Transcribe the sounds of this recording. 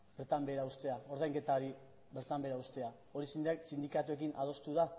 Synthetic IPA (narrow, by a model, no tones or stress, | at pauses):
b̥eɾt̪ambe̞ɾaust̪e̞ao̞ɾðajŋɡe̞t̪aoɾi | beɾt̪ambe̞ɾaust̪e̞a | o̞ɾisind̪sind̪ikat̪ue̞kina̰ð̞o̞st̪uða